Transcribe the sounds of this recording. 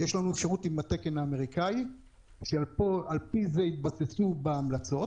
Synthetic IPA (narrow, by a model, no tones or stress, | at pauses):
jeʃlanuefʃaʁut̪imat̪e̞ke̞naːme̞ʁikai | ʃealpoalpizeit̪̚basesubeːmlat͡so̞t